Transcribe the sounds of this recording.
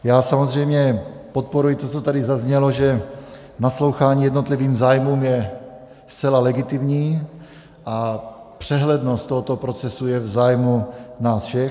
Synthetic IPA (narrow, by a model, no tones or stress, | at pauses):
jaːsamozrɛjmɲɛpot̪̚poɾujɪt̪ot͡sot̪adɪzazɲɛloʒɛ | naslo̞wxaːɲiːjɛdnot̪liviːmzaːjmuːmjɛ | st͡sɛlalɛɡɪt̪ɪmɲiː | ʔapr̥ɛɦlɛdnost̪ːoɦot̪opɾo̞t͡sɛsujɛvzaːjmunaːsfʃɛ